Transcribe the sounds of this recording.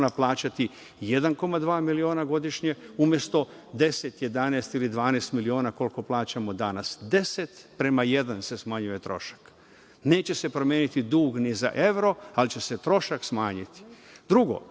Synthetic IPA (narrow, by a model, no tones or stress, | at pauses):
naplˠaːt͡ɕat̪i | jed̪anko̞mad̪ʋaːmilioːnaɡo̞d̪iʃɲe̞umje̞st̪o̞ | d̪e̞set̪je̞d̪aneːst̪ilid̪ʋaːnest̪milio̞ːnako̞lko̞plˠaːt͡ɕamo̞d̪anasd̪e̞set̪pɾemaje̞d̪anse̞smaɲuje̞t̪ɾo̞̰ʃḁk | ne̞ːt͡ɕe̞se̞pɾomjeːnit̪id̪uːɡniza̰ʔe̞ʋɾo̞alit͡ɕe̞se̞t̪ɾo̞ʃaksmaːɲit̪i̥d̪ɾuɡo̞̰